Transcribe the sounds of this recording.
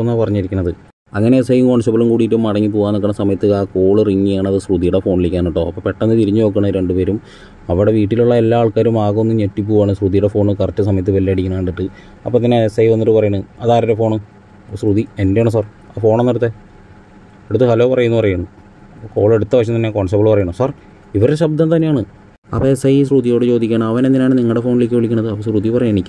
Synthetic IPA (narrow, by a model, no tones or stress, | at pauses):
nːapɐrɐɲːiɾikʲunːɐðɨ | ɐŋːɐnesɐjŋkoːɳɖɨsɐbɐlumkuːɽitːumːɐɽɐŋːip̬ːoːɣaːnokːɐɳːɐsɐmɐjɐt̪ːɨaːko̞ːɭɨriŋːijaːɳɐðɨsruðijuɽefo̞ːɳilikʲːaːniʈːo̞ːɐpːoːpe̞ʈːɐnːɨt̪iɾiɲːɨno̞ːkːɐɳɐɾe̞ɳɖupeːɾum | ɐʋiɽe̞ʋiːʈːiluɭːɐe̞lːaːɭkaːɾumaːɣɐonːumɲetːip̬ːuːʋaːɳɨsruðijuɽefo̞ːɳɨkɐrɐtːɨs̬ɐmɐjɐt̪ːɨʋɐlːiɐɽikʲːiɳɐɳɖiʈːɨ | ɐpːot̪ːinːesɐjʋɐnːiʈːɨpɐrɐjuɳɨɐðaːɾɐɾefo̞ːɳɨ | sruðie̞ndejaːɳɨs̬aːr | aːfo̞ːɳnːeɽut̪ːe | eɽut̪ːɨhɐloːpɐrɐjunːupɐrɐjuɳːu | ko̞ːɭeɽut̪ːɐʋɐɕɐmt̪ɐnːekoːɳsepːɐɭpɐrɐjuɳɐmsaːr | iʋɐɾeɕɐb̚d̪ant̪ɐnːeaːɳɨ | ɐ̰pːɐesɐjs̬rud̪ijo̞ːɽɨt͡ɕo̞ːd̪ikʲːaːɳɐmɐʋɐnend̪inejaːɳɨniŋːɐɭɽe̞fo̞ːnileːk̬ːɨʋeɭikʲːuɳːɐðɨɐpːosruðijpɐrɐjːenikʲːu